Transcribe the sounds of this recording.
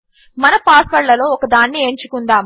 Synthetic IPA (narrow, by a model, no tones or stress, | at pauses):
mɐnɐpaːsʋɐɭːɐlo̞ːɔkɐd̪aːnːieːɲt͡ʃukund̪aːm